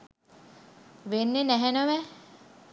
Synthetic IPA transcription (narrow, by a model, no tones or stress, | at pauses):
ʋenːenæɦenəʋæ